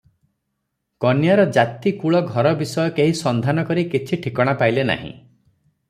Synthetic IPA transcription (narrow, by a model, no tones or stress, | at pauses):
kɔnjaɾɔd͡ʒat̪ikuɭɔɡʱɔɾɔbisɔjɔkeɦisɔnd̪ʱanɔkɔɾikit͡ʃʰiʈʰikɔɽ̃apajlena̰ɦḭ̃